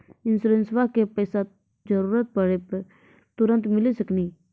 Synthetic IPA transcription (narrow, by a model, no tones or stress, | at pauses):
ɪnsuɾẽnsʋakepɛːsa | d͡ʒəɾuːɾət̪̚pəɽepəɾ | t̪ʊɾə̃nt̪mɪlisəkniː